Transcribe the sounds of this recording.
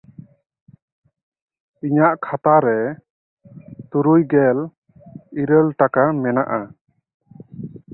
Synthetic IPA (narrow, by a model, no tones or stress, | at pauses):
iɲaʔkʰat̪aɾɛ | t̪uɾujɡɛl | iɾəlʈakamɛna̰ʔa